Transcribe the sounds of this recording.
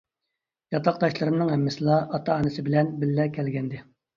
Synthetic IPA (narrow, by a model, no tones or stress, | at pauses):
jɑt̪ʰɑq̚d̪ɑʃlˠɨɾɨmnɨŋɦɛmːɪsɨlˠɑʔɑt̪ʰɑɑːnɨsɪbɪlɛnbɪlːɛkʲʰɛlɡʲɛnd̪ɪ